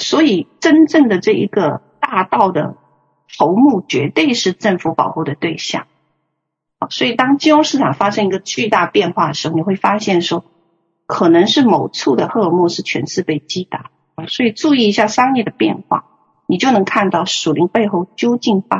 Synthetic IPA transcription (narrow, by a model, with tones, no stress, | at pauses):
swɔ˧˥i˨˩ʈ͡ʂə˥nʈ͡ʂɤ˥˩ŋd̪ə˩ʈ͡ʂɤ˥˩ḭ˧˥ɡə˧t̪a˥˧t̪ɑ˥˩ʊd̪ə̰˩ | t̪ʰo˧˥ʊmu˥˩t͡ɕɥɛ̰˧˥t̪we˥˧ɪʂɻ̩˥˧ʈ͡ʂə˥˩ŋfu˧˥pɑ˨˩ʊxu˥˩d̪ə˩t̪we˥˧ɪɕjɑ̰˥˩ŋ | ɐ˧˩swɔ˧˥i˨˩t̪ɑ˥ŋt͡ɕi˥ʈ͡ʂwʊ˥ŋʂɻ̩˥˩ʈ͡ʂʰɑ˨˩ŋfa˥ʂɤ˥ŋi˧˥ɡə˧t͡ɕy˥˧t̪a˥˧pjɛ˥˧nxwa˥˩d̪ə˩ʂɻ̩˧˥xni˨˩xwe˥˩ɪfa˥ɕjɛ˥˩nʂwɔ˥ | kʰɤ˨˩nɤ˧˥ŋʂɻ̩˥˩mo˨˩ʊt͡sʰu˥˩d̪ə˩xɤ˥˧mwɔ˥˧ʂɻ̩˥˩t͡ɕʰɥɛ̰˧˥nsɹ̩˥˧pe˥˩ɪt͡ɕi˥t̪a˧˩˥ | swɔ˧˥i˨˩ʈ͡ʂu˥˧i˥˩i˧˥ɕja˥˩ʂɑ˥ŋjɛ˥˩d̪ə˩pjɛ̰˥˧nxwa̰˥˩ | ni˨˩t͡ɕjo˥˩ʊnɤ˧˥ŋkʰa˥˧nt̪ɑ˥˩ʊʂu˨˩li˧˥ŋpe˥˧ɪxo˥˩ʊt͡ɕjo˥ʊt͡ɕi˥˩nfa˥